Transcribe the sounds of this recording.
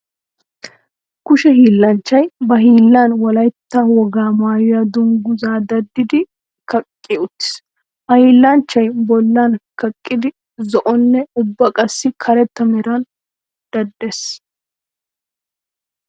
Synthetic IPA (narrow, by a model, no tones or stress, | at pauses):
kʊʃɛɦiːlːɐnt͡ʃːɐjbɐɦiːlːanwɔlɐjt̪ːaːwɔɡaːmaːjʊjɐd̪ʊŋɡʊzaːd̪ɐd̪ːɪd̪ɪ | kɐkʼːɪʊt̪ːɪ̥s | ʔɐhiːlːɐnt͡ʃːɐjbɔlːaːnkɐkʼːɪd̪ɪ | zɔʔɔnːɛʊbːɐkʼɐsːɪkʰɐɾɛt̪ːɐmɛɾɐn | d̪̥ɐd̪ːeːs